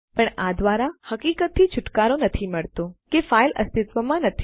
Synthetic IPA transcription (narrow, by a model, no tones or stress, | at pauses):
pəɳad̪ʋaɾahəkikət̪ʰːit͡ʃʰʊʈkaɾonət̪ʰiməɭt̪okefailʔə̰st̪ɪt̪ʋəmãnət̪ʰi̥